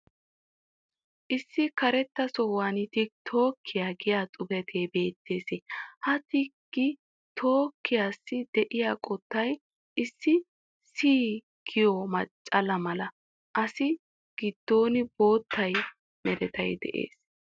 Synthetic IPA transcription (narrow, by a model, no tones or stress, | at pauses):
ʔɪsːɪkɐɾɛt̪ːɐsɔwaːnɪt̪ɪt̪ʰo̞ːkʰːɪjaːɡɪjaːt͡sʼʊbɛt̪ʰeːbe̞ːt̪ːe̞ːsehɐt̪ɪɡ̥ɪ | t̪ʰo̞ːkːɪjaːsːɪd̪̥ɛʔɪjaːkʼɔt̪ːɐj | ʔɪsːɪ | siː | ɡ̥ɪjɔmɐt͡ʃʼːɐlɐmɐlɐ | ʔɐsɪ | ɡ̥ɪd̪̥ːo̞ːnɪbo̞ːt̪ʰːɐj | mɛɾɛt̪ɐjd̪ɛ̰ʔḛːs